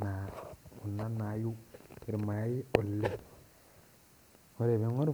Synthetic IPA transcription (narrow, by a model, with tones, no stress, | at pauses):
na˨u˨nːa˦na˨ju˦i˨ɾma˨˦i˦o˨lːe˦ | o˦ɾe˨be˨ŋo˦ɾ